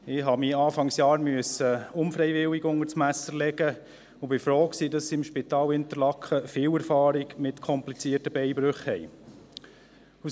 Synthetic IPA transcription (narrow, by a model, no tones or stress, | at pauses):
ɪɦɑmiːɑːfɑŋsjɑːɾmyəsəʊmfɾɛjʋɪwɪɡʊŋəɾsmæsəɾlɛɡə | ʊbɪfɾoːksidɑsːiɪmʃpit̪ɑːlhɪntəɾlɑkʰəfɪːwɛɾfɑːɾiɡmɪtkʰɔmplit͡siətəbɛjbɾøχhɛj | u